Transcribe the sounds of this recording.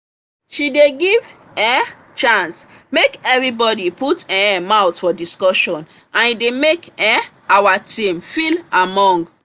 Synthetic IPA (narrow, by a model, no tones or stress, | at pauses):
ʃideɡiv | ɛ | t͡ʃãns | mekɛvɹibɔdiputɛ̃mawtfɔdiskɔʃɔ̃n | ãnidemekɛ | awatĩmfilamɔ̃ŋɡ